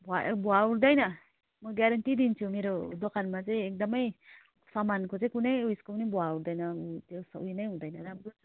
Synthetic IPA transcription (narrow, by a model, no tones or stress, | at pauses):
bɔabɔauɾdajna | mɔɡaɾantid̪int͡ʃʰumiɾɔdɔkʰanmazeːk̚damaj | samankʰɔzekunajujskɔwnibɔauɾdajnatesa̰ʔujnajuɾdajnadab